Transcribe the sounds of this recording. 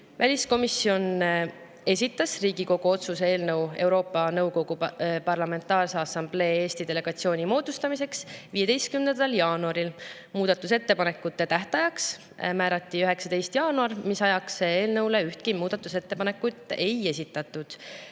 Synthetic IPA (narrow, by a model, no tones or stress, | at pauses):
vælʲisko̞misio̞n | e̞s̬ʲit̪ːˑɑsriːɡiko̞ɡ̥uo̞t̪susee̞ːlnɤwe̞wɾo̞ːpːˑɑnɤwko̞ɡ̥upɑrlɑme̞nt̪ːˑɑːrseɑsɑmb̥le̞ːeːst̪id̪̥e̞le̞ɡ̥ɑt̪sio̞ːnʲimo̞ːd̪̥ust̪ɑmise̞ksviːje̞d̪e̞jst̪̚kymnend̪ɑljɑːnuɑɾil | muːd̪̥ɑt̪ːˑuse̞t̪ːe̞pɑne̞kːˑut̪ːe̞t̪æht̪ɑjɑks | mæːɾɑt̪ːˑiyɦe̞ksɑd̪e̞jst̪jɑːnuɑrmisɑjɑkseeːlnɤwle̞yht̪̚kimuːd̪̥ɑt̪ːˑuse̞t̪ːe̞pɑne̞kːˑut̪ːˑe̞je̞sʲit̪ːˑɑt̪ˑːud̪̥